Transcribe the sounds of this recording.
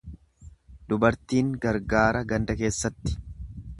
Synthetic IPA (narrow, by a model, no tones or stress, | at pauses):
d̪ʊbɐɾt̪iːŋɡɐɾɡaːɾɐɡɐnd̪ɐke̞ːsːɐt̪ːɪ̥